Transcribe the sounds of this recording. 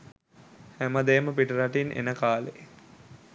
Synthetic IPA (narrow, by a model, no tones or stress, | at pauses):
hæməd̪eːməpiʈəɾaʈinʔḛnəkaːlḛ